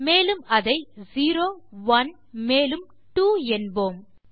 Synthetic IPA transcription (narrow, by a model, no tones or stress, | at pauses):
meːlɯmɐðɐɪziːɾoːʋɐn | meːlɯm | ʈuːɛnboːm